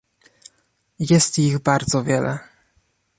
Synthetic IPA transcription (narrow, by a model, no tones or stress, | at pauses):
jɛst̪jiɣbaɾd̪zɔvʲjɛlɛ